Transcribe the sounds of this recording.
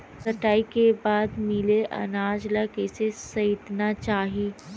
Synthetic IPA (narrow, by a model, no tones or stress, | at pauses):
sɐʈaːikebaːd̪mɪleʔɐ̰naːd͡ʒlakesesɐɪt̪nat͡ʃaːɦiː